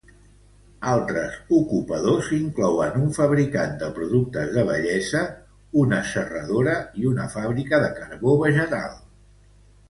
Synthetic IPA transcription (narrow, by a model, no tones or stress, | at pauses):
alˠt̪ɾəzukupəðoziŋklɔwənuɱfəβɾikand̪əpɾuðuk̚t̪əzðəβ̞ə̰ʎɛzə | unəsərəðoɾəiunəfaβɾikəðəkəɾβoβəʒət̪a̰lˠ